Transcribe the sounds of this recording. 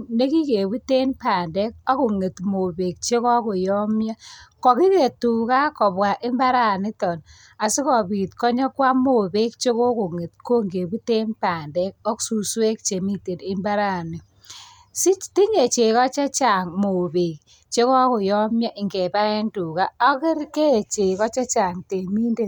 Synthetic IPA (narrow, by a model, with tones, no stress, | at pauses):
ne˦ki˦ke˨bu˦te˦npa˨ndɛ˦k̚ɔ˦kʊ˨ŋe˨tmo˨be˨k̚t͡ʃe˦kɔ˦kʊ˨jɔ˦mja˦kɔ˨ki˦ke˨tu˨ka˦kɔ˨bwa˨ʔɪ˦mba˦ɾa˦˨nɪ˦tɔ˨n | a˨sɪ˦kɔ˨bi˨tkɔ˦ɲɔ˦kwa˦mo˨be˦kt͡ʃe˦ko˦kʊ˨ŋe˨t̚ko˦ŋɡe˨bu˦te˦npa˨ndɛ˦k̚ɔ˦ksu˨swe˦k̚t͡ʃe˨mi˦te˨nɪ˦mba˦ɾa˦˨ni˨ | si˦ti˦ɲe˨t͡ʃe˨kɔ˦t͡ʃa˦t͡ʃa˨ŋmo˨be˨k | t͡ʃe˦kɔ˦kʊ˨jɔ˦mja˦ʔɪ˨ŋɡe˨ba˦ɛ˦ntu˨ka˦ɔ˦kɪ˦ɾke˦˨t͡ʃe˨kɔ˦t͡ʃa˦t͡ʃa˨ŋte˨mi˦nde˦˨